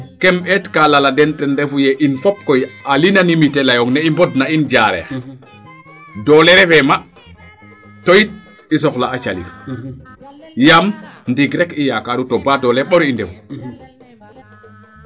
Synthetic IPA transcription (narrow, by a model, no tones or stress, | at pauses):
kɛmɛtkalaladɛntɛndɛfujɛʔinfɔp̚kɔjalinanimitɛlajɔŋnɛimbɔdnaind͡ʒaɾɛ̰x | dɔlɛɾɛfɛma | tɔjit̚ | is̬ɔxlaːt͡ʃa̰lḭdu | jamndiɡɾɛkijakadutɔbadɔlɛɓɔɾindɛfu